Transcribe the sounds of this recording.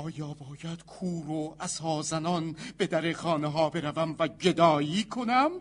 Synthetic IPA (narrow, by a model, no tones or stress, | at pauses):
ʔɒːjɒːbɒːjæd̪̥kʰuːɾoæz̥hɒːzænɒnb̥e̞d̪æɾexɒːneɦɒːbe̞ɾævæmvæd͡ʒe̞d̪ɒːjiːkʰonæm